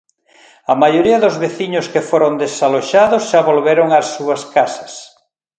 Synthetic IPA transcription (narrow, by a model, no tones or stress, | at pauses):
ɐmajoɾiɐðʊzβeθiɲʊskefoɾond̪esaloʃaðʊsʃaβolβeɾoŋɐsːuɐskasɐ̥s